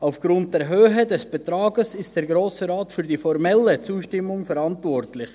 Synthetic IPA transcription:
aʊfɡ̥ɾʊnt̚d̥ɛɾɦøːɦədɛsb̥ɛtɾɑːɡəsɪstd̥ɛːɾɡɾoːsəɾaːtfyɾdifɔɾmɛlːət͡suːʃtɪmːʊŋfɛɾɑntvɔrtlɪχ

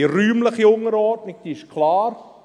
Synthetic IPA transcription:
iɾyːmləχiʊŋəɾɔːtnɪk̚d̥̪iɪʃkʰlɑːɾ

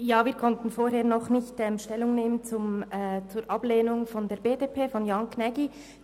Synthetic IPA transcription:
jaːviːɐɾkʰɔntn̩foːɾheːɐɾnɔχnɪçtɛmʃtɛlːʊŋneːmənt͡sʊmːt͡suːɾʔɑb̥leːnʊŋfɔndeːɐɾbeːdeːpʰeːfɔnjɑnkʰnɛɡi

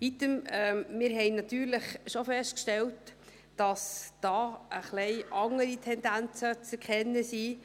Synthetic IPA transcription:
it̪əmɛmɪɾɦɛɪnɑt̪yːɾləχʃofɛʃt̚kʃtɛlt | d̥ɑsd̥ɑːəχlɛɪʔɑŋəɾitʰɛnd̪ænt͡sət͡sɛɾkʰɛnːəsi

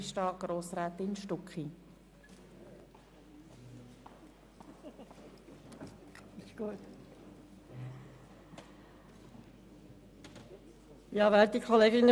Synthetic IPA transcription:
ʃtɑːɡ̥ɾoːsɾaːt̪ɪnʃtʊkχi | ɡ̥ut | jɑʋɛlt̪̚ikʰχoleːɡɪnə

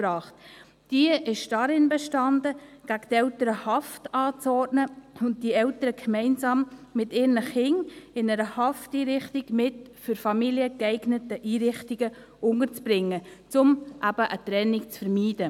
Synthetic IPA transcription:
bɾɑːχt | d̥iəʔɪʃd̥ɑɾɪnbɛʃtɑndəɡ̥æɡ̥ətɛʊtəɾəhɑftɑːt͡sɔrtnəʊnt̚d̥iɛltəɾəkʰmɛɪnsɑːmːɪtɪːɾnəχɪŋɪnɛɾəhɑftiːɾɪχtiɡ̥mɪt | fʏɾfɑmiljəkɛɪɡnətəʔiːɾɪχtiɡə | ʊŋəɾt͡sb̥ɾɪŋːət͡sʊmʔæb̥əʔət̪ɾɛnɪkt͡sfəɾmiːd̥ə

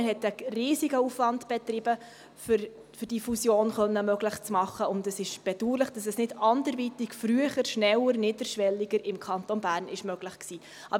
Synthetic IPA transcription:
hɛtəriːsiɡəufʋɑndb̥ɛtrɪbə | fʏɾ | fʏɾd̥iːfusjoːnχœnːəmœɡlɪχt͡smɑχːəʊndɛsɪʃb̥ɛd̥uːɾlɪχd̥ɑsɛsnɪdɑndəɾvitɪkfɾyəχəɾʃnɛləɾnɪdəɾʃʋɛlːiɡəɾɪmkʰɑntonbæːɾnʔɪʃmœɡ̥lɪχksiː | ʔɑb

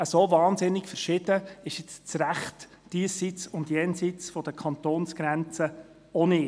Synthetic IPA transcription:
əsovɑːnsɪnɪkfəɾʃɪd̥əɪʃɪt͡st͡sɾæχt | d̥iəsit͡sʊndjɛnsit͡sfɔd̥̪əkʰχɑnt̪oːnsɡ̥ɾɛnt͡sə | ɔnɪː

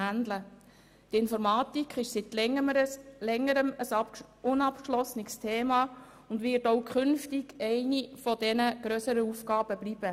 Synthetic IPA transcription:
ænd̪lə | tɪnfɔɾmɑːtikχɪʃsit | lɛŋːəɾəməsʊnɑpkʃlɔsnɪkstʰeːmɑː | ʊndʋɪːtoʊkχʏnftiɡɛɪnifɔdɛnəɡ̥ɾøsəɾəufkɑːb̥əblib̥ə

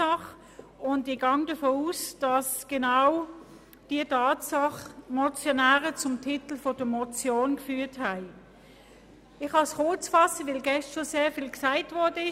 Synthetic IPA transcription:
ɑχ | ʊndɪɡ̥ɑŋd̥əfoːusd̥ɑsɡ̥enaʊ | d̥iətʰɑːtsɑχmɔt͡sjonæːʁət͡sʊmtʰɪtl̩fɔd̥əmɔt͡sjoːnkfyːɐthæɪ | ɪχhɑsχʊɐt͡sfɑsəʋɪlɡɛstʃoseːɐfiːlksæɪtvɔɐdəɪ

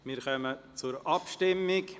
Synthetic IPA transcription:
mɪɾχœmət͡sʊɾɑpʃtɪmːɪk

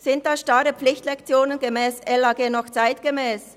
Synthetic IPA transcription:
z̥ɪnt̚d̥aːʃtaɾəpflɪçtlɛkt͡sjoːnənɡəmɛːsɛlaːɡeːnɔχt͡saɪtɡ̥əmɛːs

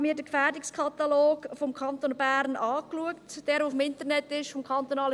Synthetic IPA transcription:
miːdəkfæːɾdɪkskʰɑt̪aloːkfɔmkʰɑntonbæːɾnɑːkluəktd̥ɛːɾoʊfəmɪntərnɛtɪʃfɔmkʰɑntonɑːlə

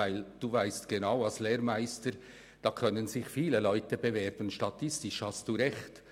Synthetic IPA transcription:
æɪld̥uːvæɪstɡ̥enaʊɑlsleːɾmæɪstəɾ | d̥ɑːkʰœnənzɪçfiːləlɔʏtəbevɛɾb̥ən̩ʃtɑtʰɪstɪʃhɑstd̥uːɾɛçt

